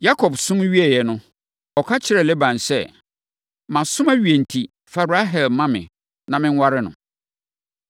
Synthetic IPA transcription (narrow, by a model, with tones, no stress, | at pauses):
ja˦kʰɔ˨bsʊ̃˦m˦ɥi˦ɛ˨jɛ˨nʊ̃˦ | ɔ˨kʰa˦t͡ɕʰɪ˦ɾɛ˨lɛ˦bã˨nsɛ˦˨ | mã˨sʊ̃˦mã˦ɥi˨e˨n̩˨tʰi˨ | fa˨ɾu˨a˦ɦɛ˨lmã˦mɪ̰̃˨ | nã˨mɪ̃˦n˦wa˦ɾɪ˦nʊ̰̃˨